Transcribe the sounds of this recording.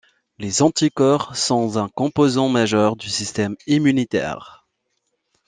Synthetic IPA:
lezɑ̃t̪ikɔʁsɔ̃zɛ̃kɔ̃pozɑ̃maʒœʁd̪ysist̪ɛmimynit̪ɛ̰ːʁ

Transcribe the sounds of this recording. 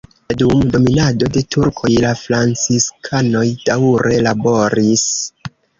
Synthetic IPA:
dumdo̞minado̞de̞tuɾkʰo̞jlafɾant͡siskʰano̞jd̥awɾe̞labo̞ɾis

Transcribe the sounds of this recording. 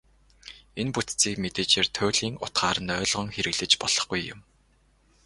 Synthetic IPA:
enput̪t͡siːkmet̪eːt͡ɕeːrt̪ʰʊːɮiːŋʊ̰t̪ɢaːɾə̆nœːɮʁɞ̆ŋxeɾɘ̆ɣɮɘ̆t͡ɕpɔɮ̥ɞ̆χɡujʊ̰m

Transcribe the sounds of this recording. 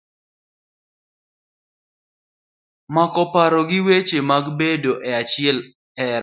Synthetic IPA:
makɔpaɾɔɡɪwet͡ʃemaɡbedoʔɛat͡ʃɪɛl | ɛ

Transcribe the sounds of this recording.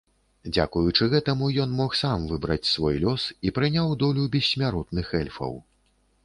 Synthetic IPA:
d͡zʲakujut͡ʂɨɣɛt̪ɐmujɔnmɔxsamvɨbɾɐ̰t͡sʲsvɔjlʲɔsipɾɨnʲawd̪ɔlʲubʲɛsʲːmʲaɾɔt̪nɨxɛlʲfɐ̰w

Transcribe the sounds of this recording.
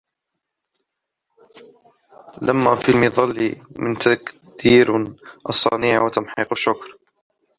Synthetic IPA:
lamːaːfilmɪðˤɑlːimɪnt̪ak | d̪iːɾʔɑsˤːɑ̰niːʕwat̪amħiːqʃːʊkɾ

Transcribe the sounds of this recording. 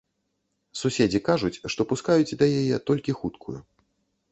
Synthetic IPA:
susʲed͡zʲikaʐut͡sʲʂt̪ɔpuskajut͡sʲd̪ɐjajɛt̪ɔlʲkʲixut̪kʰṵjṵ

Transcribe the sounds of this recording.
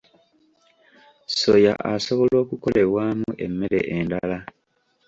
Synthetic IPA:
soja̰ʔaso̞βo̞lo̞ːkuko̞le̞βwaːmuʔe̞mːe̞ɾe̞̰ʔendala

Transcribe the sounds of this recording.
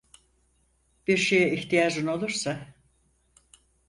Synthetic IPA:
b̥iɾʃejɛiçt̪ijaːd͡ʒuno̞lˠuɾsa

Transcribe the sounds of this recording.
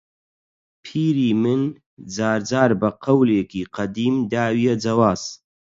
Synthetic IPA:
pʰiːɾiːmɨn | d͡zaːɾd͡zaːɾbɐqɐwleːkiːqɐd̪iːmd̪aːwijɛd͡zɐwaːz̥

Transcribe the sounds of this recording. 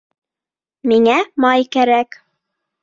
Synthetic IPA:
miŋæmɑjkæɾæk

